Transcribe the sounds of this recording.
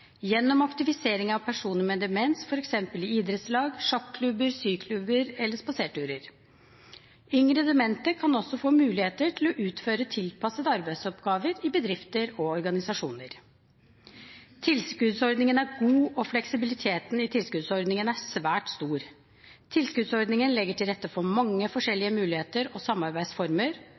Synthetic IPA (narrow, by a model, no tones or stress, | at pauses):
jɛnːɔmɑkt̪ɪfɪseːɾɪŋɑʋpʰæʂuːnəmɛd̪ɛmɛnsfɔɾɛksɛmpəlɪiːd̪ɾɛt̪slɑːɡʂɔkkʰlʉbəɾsyːkʰlʉbəɾɛlːəʂpɑseːʈʉːɾəɾ | ʏŋɾəd̪əmɛnt̪əkʰɑnɔsɔfoːmʉːlɪheːt̪əʈʰɪlɔʔʉːt̪føːɾət̪ʰɪlpʰɑsət̪ɑɾbæɪsɔpɡɑːʋəɾɪbəd̪ɾɪft̪əɾɔɔɾɡɑnɪsɑʂuːnəɾ | t̪ʰɪlskʉd̪sɔɾɖ̪nɪŋənæɾɡuːɔflɛksɪbɪlɪt̪ʰeːt̪nɪt̪ʰɪlskʉd̪sɔɾɖ̪nɪŋənæsʋæːʈst̪uːɾ | t̪ʰɪlskʉd̪sɔɾd̪nɪŋənlɛɡːəʈʰɪlɾɛt̪ːəfɔmɑŋːəfɔʂɛlːɪəmʉːlɪheːt̪əɾɔsɑmːɑɾbæɪd̪sfɔɾməɾ